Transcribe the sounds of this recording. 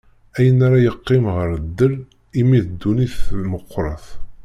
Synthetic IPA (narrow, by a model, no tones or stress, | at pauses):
æjənaɾajəqːɪmʁəɾd̪ːəɾ | imiðd̪ːuniθməqʰʷːɾˤɑ̰θ